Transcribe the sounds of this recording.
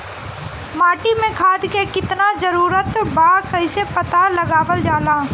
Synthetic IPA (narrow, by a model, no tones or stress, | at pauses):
maːʈimẽkʰaːd̪kekɪt̪nazəɾuːɾət̪baːkɐĩsepɐt̪aləɡaːʋəld͡ʒaːlaː